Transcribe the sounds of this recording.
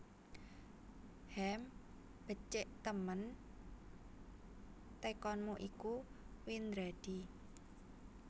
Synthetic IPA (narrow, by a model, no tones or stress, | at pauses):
hɛm | b̥ə̤t͡ʃɪʔt̪əmən | t̪ekɔnmuʔiku | wind̪ɾad̥i